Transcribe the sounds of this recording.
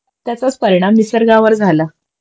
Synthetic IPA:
t̪jat͡sat͡spəɾiɽ̃amːisəɾɡaʋəɾd͡zʱala

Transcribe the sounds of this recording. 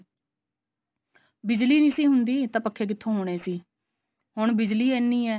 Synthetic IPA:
bɪd͡ʒliːniːsiːɦʊnd̪iːt̪ãːpəkʰːeːk̬ɪt̪ʰːõːɦoːɽ̃eːsiː | hʊɳbɪd͡ʒliːɛːnːiːɛː

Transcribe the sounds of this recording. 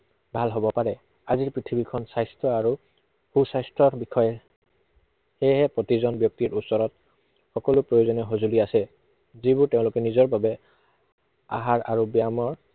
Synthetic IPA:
bʱalɦobɔpaɹɛ | aziɹpɹit̪ʰibikʰɔnsajstɹɔaɹu | xusajstɹɔɹbixɔjɛ | hɛɦɛpɹotizɔnbjɔk̚tiɹusɔɹɔt̚ | xɔkɔlʊpɹojozɔnɛɦozuliasɛ | zibʊɹteʊ̃lʊkɛnizɔɹbʱabɛ | a̰ɦaɹa̰ɹubjamɔɹ

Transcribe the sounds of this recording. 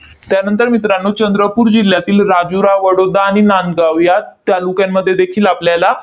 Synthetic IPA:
t̪janənt̪əɾmit̪ɾanːot͡ɕənd̪ɾəpuːɾd͡ʑilːjat̪iːlɾad͡ʑuɾaʋəɽod̪aːɽ̃inanɡaʋjat̪jalukjamːəd̪ʱːjed̪ekʰiːlapljala

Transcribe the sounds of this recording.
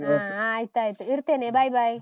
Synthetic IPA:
ããjt̪ajt̪iɾt̪enẽbajbʱaj

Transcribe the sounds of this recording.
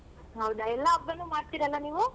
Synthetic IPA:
ɦɐwd̪ɐɛlːɐɐbːɐnːumaːɽt̪iɾɐlːɐniːʋu

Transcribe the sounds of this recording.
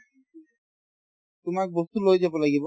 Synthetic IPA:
t̪umak̚bost̪ulojed͡ʑabolaɡibo

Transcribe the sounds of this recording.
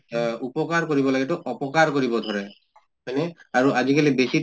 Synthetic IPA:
upɔkaɹkoɹibɔlaɡɛtʊʔɔpɔkaɹkoɹibɔdʱɔɹɛ | ɔjnɛaɹuʔazikalibesi

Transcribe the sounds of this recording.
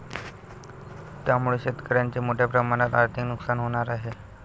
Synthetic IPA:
t̪jamuɭeɕet̪kəɾjaɲt͡ɕemoʈʰjapɾəmaɽ̃at̪aɾt̪ʰiknuksanɦoɽ̃aɾaɦe

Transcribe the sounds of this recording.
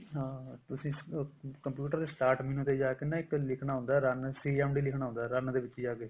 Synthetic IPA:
ɦãːt̪ʊsĩːkəmpjuːʈəɾd̪eːsʈaːɾʈminũːt̪ed͡ʒaːkenãːɪklɪkʰɳaːɦʊ̃ːnd̪aːɾənsiːɛːmɖiːlɪkʰnaːɦːnd̪aːɾənd̪eːʋɪt͡ʃːd͡ʒaːɡe

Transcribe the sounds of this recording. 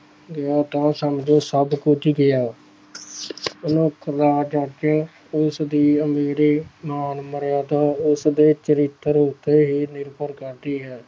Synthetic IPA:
ɡɪjaːt̪ãːsəmd͡ʒoːsəbkʊt͡ʃʰɡɪjaː | ʊnũːkʰəɾaːd͡ʒəɾd͡ʒə | ʊsd̪iːəmeːɾiːmaːnməɾjaːd̪aːʊsd̪eːt͡ʃəɾɪt̪ːəɾʊt̪ːeːɦiːnɪɾpəɾkəɾd̪iːɦɛː

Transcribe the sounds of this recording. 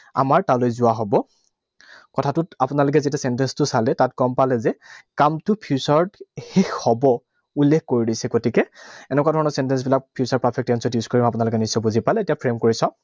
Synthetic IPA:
a̰maɹtaʊlojzʊaɦɔbɔ | kɔtʰatʊtapʊnalʊk̬ɛzetiasɛntɛnstʊsalɛtatɡɔmpalɛzɛkamtʊpʰjusaɹdxexhɔbɔ | ulːekʰkoɹidisɛɡotikɛɛnɛkwadʱɔɹɔnɔɹsɛntɛns̬bilak̚pʰiusaɹpɹapʰɛk̚tɛnsɔtjuskoɹimapʊnalʊkɛnisːɔbuzipalɛetijapʰɹemkoɹisɔ̃

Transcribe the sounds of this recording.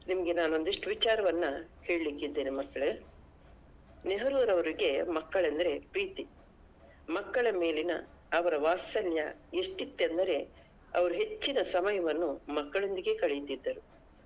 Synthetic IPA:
nimɐɡe̞naːno̞nd̪iʂʈʋit͡ʃaːɾɐʋɐnːɐhe̞ːɭlikːid̪ːe̞ːnemɐkːɐɭe | neɦɐɾuːɾɐʋɐɾiɡe̞mɐkːɐɭɐnd̪ɐɾe̞pɾiːt̪i | mɐkːɐɭɐme̞ːlinɐ̰ | ɐʋɐɾɐʋaːsɐljɐ̰eʂʈit̪ːend̪ɐɾe̞ | ɐ̰ʋɐɾuɦe̞t͡ʃːinɐsɐmɐjɐʋɐnːumɐkːɐɭo̞nd̪iɡe̞kɐɭejit̪id̪ːɐɾu

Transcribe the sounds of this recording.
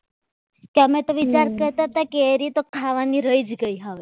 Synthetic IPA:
kamɛ̃t̪oʋit͡ɕaɾkəɾt̪at̪akeɾit̪okʰaʋaniɾəjd͡zɡəjɦaʋe

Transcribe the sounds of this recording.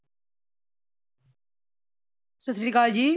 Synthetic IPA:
sʊsɾiːkaːld͡ʑiː

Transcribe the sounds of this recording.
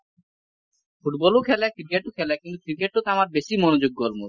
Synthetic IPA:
fuʈbɔlokʰɛlakɾikeʈokʰɛlakint̪u̥kɾikeʈːot̪amaɾbeʃimɔnod͡ʑoɡːolmuɾ

